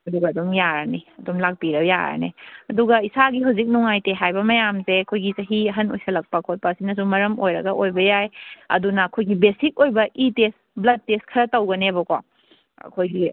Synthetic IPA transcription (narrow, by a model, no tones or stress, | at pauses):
ɐduɡɐːdumjaɾɐ̰neɐdumlak̚piɾɐja̰ɾɐ̰neɐduɡɐisaɡiɦawzik̬̚nuŋajteɦajbɐmɐjamseɐkʰojɡit͡ʃɐɦiɐɦɐno̰jsɐlɐk̚pɐkʰot̚pɐsinɐs̬umɐɾɐmojɾɐɡɐʔojbɐjajɐ̰dunɐːkʰojɡibesik̚ojbɐʔitest | blɐd̚teskʰɐɾɐtɐwɡɐnebɐko̰ | ɐ̰kʰojɡi